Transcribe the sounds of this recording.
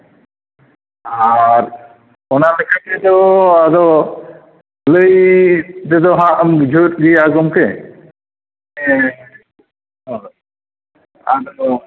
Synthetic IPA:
aɾ | ɔnalɛkʰakɛt̪ɔad̪ɔ | ləjd̪ɛd̪ɔɦãʔmd͡ʒʱutɡiaɡɔmkɛ | aɾ

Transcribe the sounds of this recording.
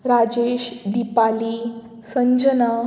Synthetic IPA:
ɾad͡ʑeɕd̪ipali | səɲd͡ʑəna

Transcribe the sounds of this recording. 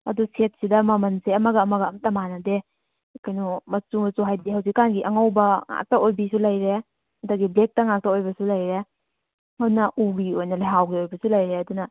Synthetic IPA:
ɐduset̚sidɐmɐmɐnseɐmɐɡɐːmɐɡɐːmtɐmanɐde | kajnumɐt͡ʃumɐsuɦajdiɦɐws̬ikːanɡiʔɐŋawbɐŋa̰k̚tɐojbisulɐjɾe | ɐdɐɡiblek̚tɐŋak̚taojbɐsulɐjɾe | hadunɐʔuɡiojnɐlaɦawɡiojbɐsulɐjɾeɐdunɐ

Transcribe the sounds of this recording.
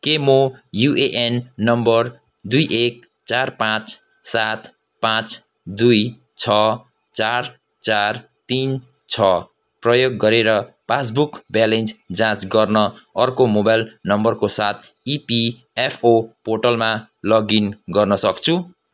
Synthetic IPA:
kemojuʔeʔenːʌmbʌr | d̪ujʔek̚ | t͡sarpãt͡s | sat̪ | pãt͡s | d̪uj | t͡sʰʌ | t͡sar | t͡sar | t̪in | t͡sʰʌ | prʌjoɡːʌɾeɾʌ | pas̬bukbalend͡zd͡zãt͡sɡʌrnʌʌrkomobajlnʌmbʌrkosat̪ʰ | ipi | epʰoporʈʌlma | lʌɡinɡʌrnʌsʌkt͡sʰu

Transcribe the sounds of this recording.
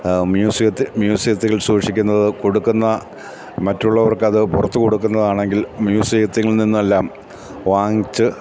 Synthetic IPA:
mjuːsiɐt̪ːmjuːsiɐt̪ːiɣɐɭsuːʂikʲːunːɐðɨko̞ɽukːunːɐ | mɐtːuɭːɐʋɐrkːɨɐðɨpurɐt̪ːɨko̞ɽukːunːɐðaːɳe̞ŋɡilmjuːsiɐt̪ːiŋːɐɭninːumelːaːm | ʋaːŋit͡ɕːɨ

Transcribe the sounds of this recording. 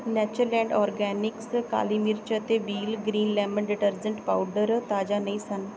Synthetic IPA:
nɛːt͡ʃəɾlɛ̃ːɳɖɔːɾɡɛːnɪkska̰ːliːmiɾt͡ʃət̪eːʋiːlɡɾiːnlɛːmənɖɪʈəɾd͡ʒəɳʈpaːʊɖəɾt̪aːd͡ʒaːnəĩːsən

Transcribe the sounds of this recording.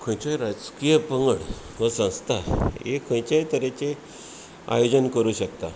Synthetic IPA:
kʰõjt͡ɕajɾad͡zkijəpəŋɡəɽ | ʋəsə̃w̃st̪ʰaekʰõj̃t͡ɕajt̪əɾet͡ɕe | a̰jod͡ʑənkəɾuːɕək̚t̪a

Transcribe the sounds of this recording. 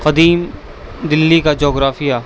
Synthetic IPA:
qɐd̪iːm | d̪ɪlːikad͡ʒoːɡɾaːfijaː

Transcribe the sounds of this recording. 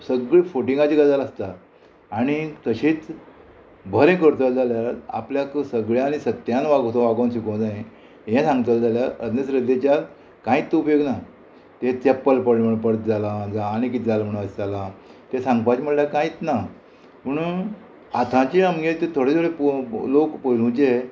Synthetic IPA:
səɡɭifoʈiŋɡat͡ɕiɡad͡zalast̪aː | ɽ̃ikəɕiːt͡s | bʱəɾẽkəɾt̪əld͡zaljaa̰pljaksəɡɭjãnisət̪jãnʋaɡot̪õʋaɡõnɕikõw̃d͡zaẽ | ɦẽsãŋɡt̪əld͡zaljaəd̪nəsɾəd̪et͡ɕja | kãĩt̪ːeupjoɡna | t̪ẽt͡sepːəlpəɽməɽpəɽt̪d͡zalad͡zaːñik̬it̪d͡zalam̤əɽ̃ũəst͡salat̪esãŋɡpat͡ɕm̤əʈljakãit̪na | pəɳ | at̪ʰãt͡ɕiamɡẽt̪et̪ʰoɽet̪ʰoɽeplokpəlũt͡ɕe

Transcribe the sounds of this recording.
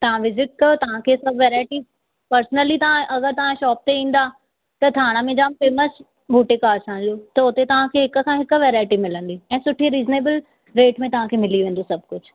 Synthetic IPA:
t̪ɐʋ̤ãʋɪzɪʈ̚kɐjot̪ɐʋ̤ãkʰeːsɐbʱʋeːɾaːɪʈi | pɐɾsnəlit̪ɐʋ̤ãʔɐɣəɾt̪ɐʋ̤ãʃɔːp̚t̪eĩːn̆d̪aː | t̪ɐt̪ʰaːɽ̃əmẽd͡ʑaːmfeməs | bʱuːʈɪkaːɾsʰãːnd̪iot̪ɐʊt̪et̪ɐʋ̤ãkʰeːɦɪk̆kʰãɦɪkʋeːɾaːɪʈimɪlə̃nd̪iɛ̃ːsʊʈʰiɾiːzneːbəl | ɾeːʈmẽt̪ɐʋ̤ãkʰeːmɪliʋẽːnd̪osɐb̚ʱkʊd͡ʑʰʱ

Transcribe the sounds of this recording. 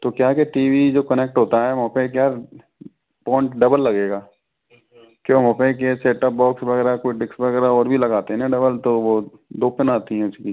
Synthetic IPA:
t̪okjaːkeʈiːʋid͡ʒoːkɐnek̚ʈɦoːt̪aɦɛmɔpẽkjaː | pɔ̃ːɪɳʈɖɐbəlːɐɡeːɡaː | kjõmɔːpẽk̬eseːʈəp̚bɔːksbɐɣɛːɾakoʊiɖɪksbɐɣɛːɾaɔːɾbʱilɐɡaːt̪eɦɛnɛ̃ɖɐbəlt̪oʋod̪oːpənaːt̪iɦɛ̃ʊskiː

